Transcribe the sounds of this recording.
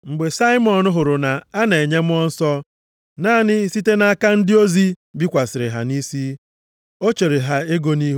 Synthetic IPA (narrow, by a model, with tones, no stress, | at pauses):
ŋ͡m̩˨ɡ͡be˨sa˦ɪ˦mɔ˨n˦ɦʊ˨ɾʊ˨na˨a˦ne˨ɲe˦m̩˦ɔ˦n̩˦sɔ˦ | naː˦˨nɪ˦si˦te˦na˦a˦ka˦n̩˦dɪ˦o˦zi˦ | bi˦kʷa˨sɪ˨ɾɪ˨ɦa̰˨ni˦si˦ | o˦t͡ʃe˨ɾe˨ɦa˦e˦ɡo˦ni˦ɦ